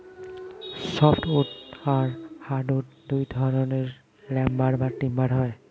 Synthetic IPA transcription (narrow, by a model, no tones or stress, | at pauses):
sɔpʰʈuʈaɾhaɖuʈd̪ujd̪ʱɔɾoneɾ | lɛmbaɽbatːimbaɽɦɔe